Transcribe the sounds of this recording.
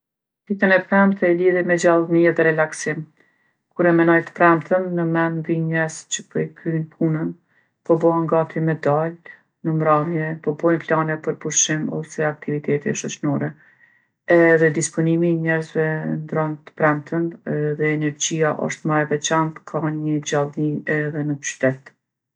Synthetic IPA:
t̪it̪ənɛpɾɛmt̪ɛliðimɛd͡ʑalˠniɛðɛɾɛlaksim | kuɾɛmɛnɔjt̪ə̥pɾɛmt̪ʰənːəmɛnd̪iɲɛɾzt͡ɕəpəjkɾynpʰunən | pɔbɔaŋɡat̪jɛmɛd̪al | nəmɾamjɛpɔbɔjnplanɛpəɾpuɾʃimɔ̰sɛak̚t̪ivit̪ɛt̪ɛʃɔt͡ɕnɔɾɛ | ɛðɛd̪ispɔnimiɲɛɾzvɛnd̪ɾɔnt̪ə̥pɾɛmt̪ʰənɛðɛːnɛɾd͡ʑiaʔɔ̰ʃt̪maɛvɛt͡ʃant̪kʰaɲəd͡ʑalˠniɛðɛnət͡ʃy̥t̪ɛt̪

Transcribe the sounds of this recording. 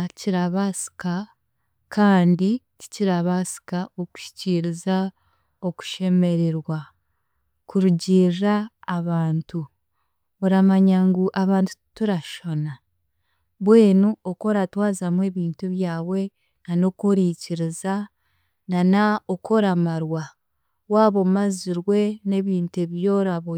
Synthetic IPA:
ciɾaβasi̥ka | kʰaːndici̥ciɾaβasi̥kaoku̥ʃi̥ciɾiza | o̞ku̥ʃe̞me̞ɾeɾwa | kuɾuɟiːraːβaːntu | oɾamaɲaŋɡuʔaβaːntu̥tuɾaʃo̞na | βwe̞ːnuoko̞ɾatwaːzamwe̞ːβiːntuβjaːwe̞ | nano̞koɾiːciɾiza | nanaokʰo̞ɾamaɾwa | waːβo̞maziɾwe̞ne̞ːβiːntueβjo̞ːɾaβo

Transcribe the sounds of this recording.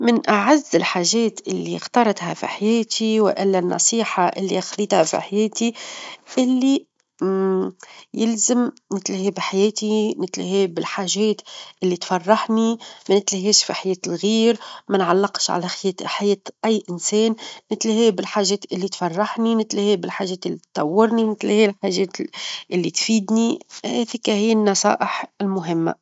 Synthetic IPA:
mɪnʔaʕazːɪlħaːʒɛːt̪ʔɪlːixt̪ɑːɾˤɑt̪hafḭħajeːt̪ʰiwɪ̰ʔɪlːænːɑ̰sˤiːħaʔɪlːiaxlːiːt̪hafḭħajeːt̪iʔɪlːi | jɪlzɪm | nɪt̪lɪhibħajeːt̪inɪt̪lɪheːbɪlħaːʒɛːt̪ʔɪlːit̪fɑrˤːɑħnimænɪt̪lɪhiːʃfiħajɛːt̪ɪlɣiːɾmænʕa̰lːɪqʃʕa̰læxjɛːt̪ħajɛːt̪ʔæjːʔɪnsɛːnːɪt̪lɪhiːbɪlħaːʒɛːt̪ʔɪlːit̪fɑrˤːɑħninɪt̪lhibɪlħaʒɛːt̪ɪlːit̪ːɑwːɪɾninɪt̪lɪhilħaːʒɛːt̪ʔɪlːit̪fiːd̪nihæðɪkːæhɪjːɪnːɑsˤɑ̰ːʔɪħɪlmʊɦɪmːa̰

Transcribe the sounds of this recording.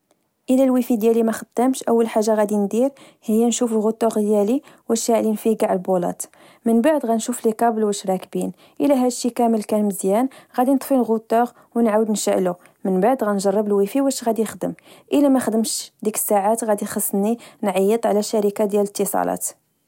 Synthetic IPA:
ʔəlælwifid̪jælimæxəd̪ːəmʃʔəwːəlħaʒːaɣæd̪ind̪iɾ | həjːænʃufəlɣʊt̪ːɑɣd̪jæliwəʃaʕlinfiɡaʕlbulɑ̰t̪ | mənbaʕd̪ɣænʃuflikɑbəlwəʃɾˤɑkbin | ʔəlæɦæd̪ʃːikæməlkænməzjænɣæd̪inət̪ˤfilɣʊt̪ːɑɣ | wənʕawəd̪nəʃəʔlu | mənbaʕd̪ɣænʒɑrˤːəbəlwifiwæʃɣæd̪iəxd̪əmʔəlæmæxəd̪əmʃd̪ikə̥sːaʕat̪ɣæd̪ixɑsˤːninʕɑjːət̪ˤʕlæʃːæɾəkad̪jælət̪ːəsˤɑ̰lɑ̰t̪

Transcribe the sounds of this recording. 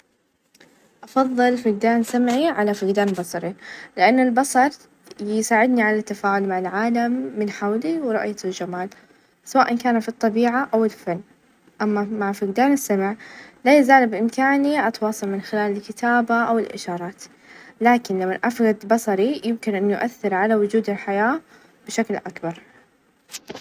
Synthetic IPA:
ʔɑfɑðˤːɨlfaɡd̪aːnsamʕiʕalafaɡd̪aːnbɑsˤɑɾilɪʔanːɪlbɑsˤɑɾˤ | jsaːʕɪd̪niʕalat̪ːafaːʕʊlmaʕalʕaːlamːɪnħawliwɾˤʊ̰ʔjald͡ʒamaːl | sawaːʔankaːnafit̪ˤːɑbiːʕaʔawɪlfanː | ʔamːamaʕfiɡd̪aːnɪsːamaʕlajazaːlbʔɪmkaːniʔɑt̪wɑːsˤɑlmɪnxɪlaːlɪlkɪt̪aːbaʔawɪlʔɪ̰ʃɑːɾˤɑːt̪ | laːkɪnlamːaʔafɣad̪bɑsˤɑɾijɪmkɪnʔanːjʊʔaθːɪɾʕalawʊd͡ʒuːd̪ɪlħajaː | b̥ɪʃaklʔakbɑɾˤ

